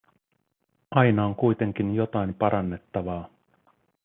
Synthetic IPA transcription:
ɑjnɑo̞ŋkujt̪e̞ŋk̟injo̞t̪ɑjmpɑɾʔɑnːe̞t̪ːɑʋɑː

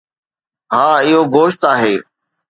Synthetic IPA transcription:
ɦaːɪɦoːɡoːʃt̪aːɦeː

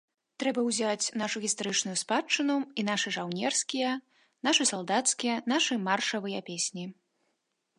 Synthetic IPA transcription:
t̪ɾɛbɐwzʲat͡sʲnaʂuɣʲist̪aɾɨt͡ʂnujuspat͡ʂːɨnuin̪aʂɨʐawnʲɛrskʲijɐ | naʂɨsalˠd̪at̪skʲijɐnaʂɨmarʂɐvɨjɐpʲesʲnʲi

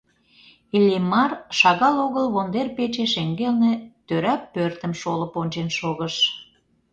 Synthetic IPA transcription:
ilʲimɑrʃɑɣɑloɣəlβond̪erpet͡ɕeʃeŋɡelnĕt̪øɾæpːørt̪ə̆mʃoləponʲt͡ɕenʃoɣəʃ

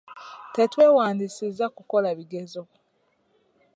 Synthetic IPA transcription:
te̞twe̞ːwaːndisizakuko̞laβiɡe̞zo

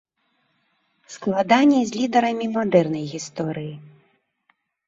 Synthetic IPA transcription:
sklˠad̪anʲːizʲlʲid̪ɐɾɐmʲimad̪ɛrnɐjɣʲist̪ɔɾɨji

